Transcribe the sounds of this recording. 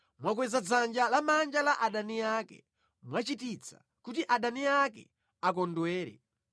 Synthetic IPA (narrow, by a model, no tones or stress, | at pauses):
mwak̬wɛzad͡zand͡ʒalamand͡ʒalaʔaɗaniakɛ̰ | mwat͡ʃitit͡sʰa̰ | kutiʔaɗaniakɛ̰ | ak̬ɔndwɛːɾɛ̰